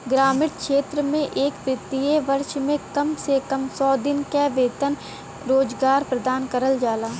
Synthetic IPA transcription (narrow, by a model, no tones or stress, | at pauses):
ɡɾaːmɪʈkʃeːt̪ɾəmẽʔeːkʋɪt̪ieʋɐɾʃmẽkɐmsekɐmsɔːd̪ɪnkɛʋeːt̪ən | ɾoːd͡ʒɡaːɾpɾəd̪aːnkəɾəld͡ʒaːlaː